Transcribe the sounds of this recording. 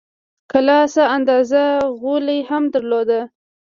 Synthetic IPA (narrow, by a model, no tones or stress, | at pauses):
kalɑsaand̪ɑzaɣolejhamd̪əɾlod̪a